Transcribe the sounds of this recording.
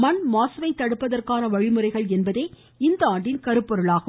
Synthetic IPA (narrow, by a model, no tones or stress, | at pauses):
mɐnmaːsɐʋɐɪt̪ːɐɽɯpːɐðɐrkaːnɐʋɐɻɪmɯɾɐɪɣɐɭɛnbɐðeː | ɪnd̪ɐaːɳɖɪnkɐɾɯpːɔɾɯɭaːɣɯ